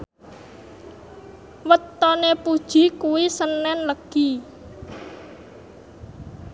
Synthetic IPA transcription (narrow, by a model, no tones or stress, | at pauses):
wət̪ːɔnepud̥ʒ̥i̤kuwisənːɛnləɡ̥i